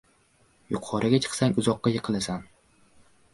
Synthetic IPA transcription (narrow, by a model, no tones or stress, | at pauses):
jʊqʰɒɾʔɪɡʲat͡ʃʰɨ̥qsaŋʲʊzɒqːɑjɨqʰɨlasan